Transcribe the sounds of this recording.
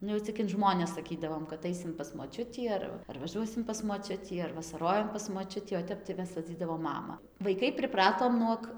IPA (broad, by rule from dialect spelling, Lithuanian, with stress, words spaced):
ˈnʊ jɛʊ t͡sʲɪk ɪn ˈʒmoːnʲɛs sɐˈkʲiːdɐʋoːm kɐt ˈɐɪsʲɪm pɐs moːˈt͡ʃʲʊtʲiː ˈɐr ʋɐ ɐr ʋɐˈʒuɔsʲɪm pɐs moːˈt͡ʃʲʊtʲiː ɐr ʋɐsɐˈroːjɛm pɐs moːˈt͡ʃʲʊtʲiː oː ˈtʲɛp tɐɪ ˈmʲɛs ʋɐˈd͡zʲiːdɐʋoːm ˈmɑːmɐ ʋɐɪˈkɐɪ pʲrʲɪˈprɑːtoːm ˈnuɔk